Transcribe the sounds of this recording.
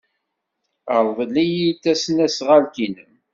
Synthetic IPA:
əɾˤvəlijit̪ːæsnæsʁælkinəm

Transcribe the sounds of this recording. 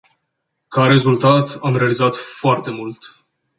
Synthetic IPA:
kaɾe̞zult̪at̪amɾe̞alizat̪foart̪e̞mult̪

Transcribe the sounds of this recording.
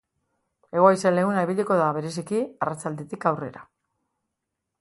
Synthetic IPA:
e̞ɣo̞ajsele̞ɣunaiβiʎiko̞ðaβe̞ɾe̞s̬ikiarat͡sald̪et̪ikawre̞̰ɾa̰

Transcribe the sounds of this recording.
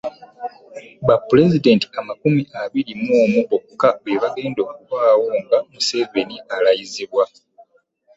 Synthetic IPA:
βapule̞zide̞nti̥amakumiʔaβiɾimoːmuβokkːaβeβaɡe̞ːndo̞kuβwaːwoːŋɡamuse̞ve̞nialajiziβwa

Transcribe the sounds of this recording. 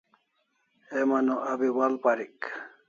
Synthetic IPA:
emɐnoʔɐbiwalpaɾik

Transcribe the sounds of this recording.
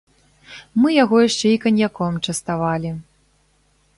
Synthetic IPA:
mɨjaɣɔjaʂt͡ʂɛikɐnʲjakɔmt͡ʂɐst̪avalʲi

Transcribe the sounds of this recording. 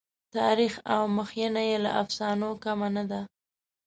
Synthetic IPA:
t̪ɑɾixawməxjanajela̰ʔafsɑnokamanad̪a

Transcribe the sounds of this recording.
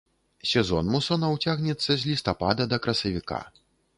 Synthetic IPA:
sʲɛzɔnmusɔnɐwt͡sʲaɣnʲɛt̪sːɐzʲlʲist̪apad̪ɐd̪ɐkɾɐsɐvʲika̰

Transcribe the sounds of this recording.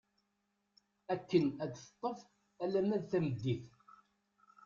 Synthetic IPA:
ækːənæd̪θə̥t̪ˤːəf | ælæmæðθæməd̪ːiθ

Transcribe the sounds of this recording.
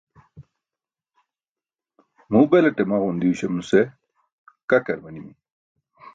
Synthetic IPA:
muːbelɐʈemaɣund̪iuɕɐmnuse | kɐkɐɾmɐnimi

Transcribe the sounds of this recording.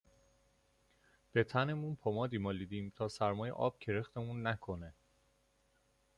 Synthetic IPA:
b̥e̞t̪ʰæne̞munpʰomɒːd̪iːmɒːliːd̪iːmt̪ʰɒːsæɾmɒːjḛʔɒ̰ːb̥̚cʰe̞ɾext̪e̞munːækʰo̞ne

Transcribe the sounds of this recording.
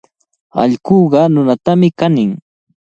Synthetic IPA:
ɑ̰ʎkoːɢɑnʊnat̪amɪkanɪŋ

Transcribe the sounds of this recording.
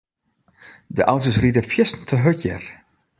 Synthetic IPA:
dəʔawtəsridəfjɪstn̩tʰəɦøtjɛ̰r

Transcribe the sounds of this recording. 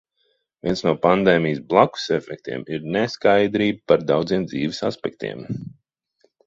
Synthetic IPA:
vʲiɛnsnuɔpand̪eːmijsblˠaku̥sɛfɛk̚t̪ḭɛmiɾnɛskajd̪ɾiːb̚paɾd̪awd̪ziːmd̪ziːvɪsaspɛk̚t̪ḭɛm

